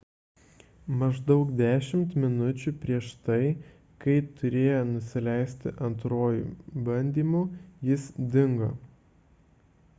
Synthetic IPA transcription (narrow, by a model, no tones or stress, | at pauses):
mɐʒd̪ɒʊkd̪ʲæːʃʲɪmt̪mʲɪnʊt͡ʃʲuːpʲɾʲiɛʃt̪ɐɪ | kɐɪt̪ʊɾʲeːjonʊsʲɪlʲæˑɪsʲt̪ʲɪʔɐnt̪ɾoːjṵːbɐnʲd̪ʲiːmuːjɪsd̪ʲɪŋɡo̰